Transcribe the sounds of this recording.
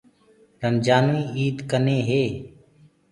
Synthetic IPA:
ɾənd͡ʒaːnuiːiːd̪kəneːɦeː

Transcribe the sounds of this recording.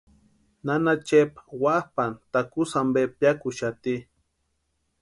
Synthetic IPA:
nanat͡ʃepwahpant̪akusambepjakuʃat̪i

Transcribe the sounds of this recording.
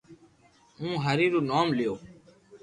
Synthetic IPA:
ũːɦəɾiːɾuːnoːmlijoː

